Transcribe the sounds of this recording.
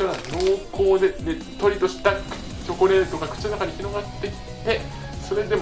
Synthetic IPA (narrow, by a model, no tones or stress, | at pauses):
oɾad̪o̞ːkʰo̞ːd̪ed̪e | t̪o̞ɾʲit̪o̞ɕi̥t̪ak | t͡ɕo̞koɾẽ̞ːt̪o̞kakɯ̥t͡ɕinonakaɲ̟içʲino̞ɡat̪ːe̞kʲi̥t̪e̞ | so̞ɾe̞d̪e̞